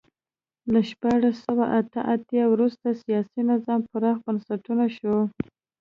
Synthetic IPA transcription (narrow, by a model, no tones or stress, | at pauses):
laʃpɑɽasawaʔat̪əʔat̪jɑwɾust̪asijɑsinɪzɑmpəɾɑxbənsaʈunaʃo